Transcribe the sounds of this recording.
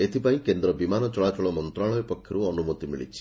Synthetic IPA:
et̪ipaĩkend̪ɾɔbimanɔt͡ʃɔɭat͡ʃɔɭɔmɔnt̪ɾaɭɔjɔpɔkʰjɔɾuɔnumot̪imḭɭḭt͡ʃʰi̥

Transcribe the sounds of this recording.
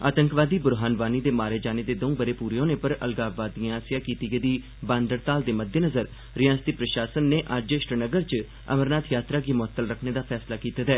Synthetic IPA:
a̰ːt̪əŋkʋaːd̪iːbʊɾɦaːnʋaːniːd̪eːmaːɾeːd͡ʒaːneːd̪eːd̪õũbəɾeːpuːɾjõːneːpəɾə̰lɡaːʋaːd̪iãaːsɪjaːkiːt̪iːɡəd̪iː | bãːnd̪əɾt̪aːld̪eːməd̪ʱːjenəzəɾ | ɾɪjãːst̪iːpɾəʃaːsənːeːʔəd͡ʒɪʃɾənəɡəɾt͡ʃ | ə̰məɾnaːt̪ʰjaːt̪ɾaːɡiːmʊət̪ːəlɾəkʰneːd̪aːpʰɛːslaːkiːt̪ad̪ɛː

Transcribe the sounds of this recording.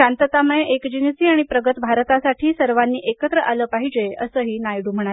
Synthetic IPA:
ant̪ət̪aməeʔekd͡ʑinəsiːaɽ̃ipɾəɡət̪bʱaɾt̪asaʈʰiːsəɾʋanːiːʔekət̪ɾəʔaləːpaɦid͡ʑeeʔəsəːɦiːnajɽum̤əɽ̃a

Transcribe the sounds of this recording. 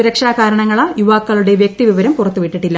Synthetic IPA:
uɾɐkʂɐaːkaːɾɐɳɐŋːɐɭajuʋaːkːɐɭuɽe̞ʋjek̚t̪iʋiʋɐɾɐmpurɐt̪ːuʋiʈːiʈːilːɐ

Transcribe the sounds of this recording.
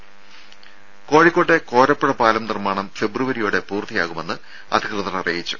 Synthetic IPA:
ko̞ːɻikːo̞ːʈːeko̞ːɾɐpːuɽɐpaːlɐmnirmaːɳɐmfe̞bruʋɐɾijuːɽe̞puːrt̪ʰija̰ːɣume̞nːɨ | ɐ̰d̪ʱikrɨðɐrɐrijjit͡ɕːu̥

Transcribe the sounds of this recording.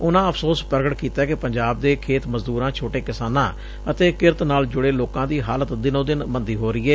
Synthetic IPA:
ʊnãːəpʰsoːspəɾəɡəʈkiːt̪aːkɪpəɲd͡ʒaːb̚d̪eːkʰeːt̪məzd̪uːɾãːt͡ʃʰoːʈeːkɪsaːnãː | ət̪eːkɪɾt̪naːld͡ʒʊɽeːloːkãːd̪iːɦaːlət̪d̪ɪnõːd̪ɪnmənd̪iːɦoːɾɪiːɛː

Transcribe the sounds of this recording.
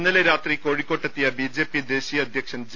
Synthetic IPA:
nːɐleɾaːt̪riko̞ːɻikʲːo̞ːʈːet̪ːijɐbid͡ʑe̞ːpːid̪e̞ːɕijɐd̪ʱjɐkʂɐmd͡ʑ

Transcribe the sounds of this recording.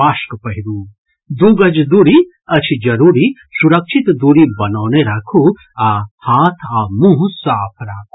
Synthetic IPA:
aːʃkpɐɦiɾuː | d̪uːɡɐd͡ʒd̪uːɾi | ɐt͡ʃʰid͡ʒɐɾuːɾi | suɾɐkʃʰit̪d̪uːɾibɐnaːneɾaːkʰu | ahaːt̪ʰamũɦsaːpʰɾaːkʰu

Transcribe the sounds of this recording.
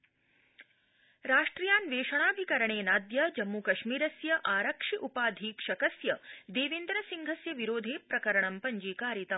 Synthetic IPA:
ɾaːʂʈɾijaːnʋeːʃɐɳaːbʱikɐɾɐɳeːnaːd̪jɐd͡ʒɐmːukɐʃmiːɾɐsjɐʔaːɾɐkʂiʔupaːd̪ʱiːkʂɐkɐsjɐd̪eːʋend̪ɾɐsiŋɡʱɐsjɐʋiɾoːd̪ʱeːpɾɐkɐɾɐɳɐmpɐɲd͡ʒiːkaːɾjit̪ɐm

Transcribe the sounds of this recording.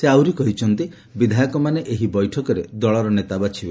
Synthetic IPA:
seawɾikɔɦit͡ʃʰɔnt̪i | bid̪ʱajɔkɔmaneʔeɦibɔjʈʰɔkɔɾed̪ɔɭɔɾɔnet̪abat͡ʃʰibe

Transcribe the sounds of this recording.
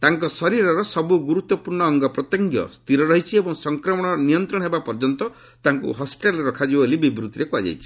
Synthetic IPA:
t̪aŋkɔsɔɾiɾɔɾɔsɔbuɡuɾut̪ːɔpuɾɳɔːŋɡɔpɾɔt̪ɔŋɡjɔ̰st̪iɾɔɾɔɦit͡ʃʰiebɔŋsɔŋkɾɔmɔɽ̃ɔnijɔnt̪ɾɔɽ̃ɔ̃ɦebapɔɾd͡ʒɔnt̪ɔ | t̪aŋkṵɦɔspi̥ʈalɾeɾɔkʰad͡ʒibolibibɾut̪iɾekuad͡ʒa̰jt͡ʃʰi̥

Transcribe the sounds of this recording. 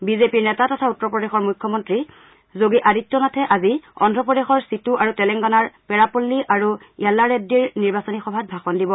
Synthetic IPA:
bizepiɹnɛtatɔtʰautːɔɹpɹɔdexɔɹmujkʰːɔmɔntɹi | zoɡiʔaditːɔnatʰɛʔaziɔ̰ndʱɔpɹɔdexɔɹsituʔaɹutɛlɛŋɡɔnaɹpɛɹapulːiʔaɹu | jalːaɹedːiɹniɹbasɔnixɔbʱat̚bʱaxɔndibɔ

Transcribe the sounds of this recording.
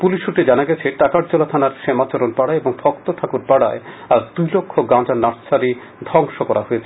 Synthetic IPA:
puliʃuʈed͡ʑanaɡɛt͡ɕʰeʈakaɾd͡ʑolat̪ʰanaɾʃemat͡ɕɔɾonpaɽaeboŋbʱɔkt̪ot̪ʰakuɾpaɽa̰eaɾd̪ujlokʰːoɡãd͡ʑanaʃt͡ɕʰaɾi | d̪ʱɔŋʃokɔɾaɦojet͡ɕʰe

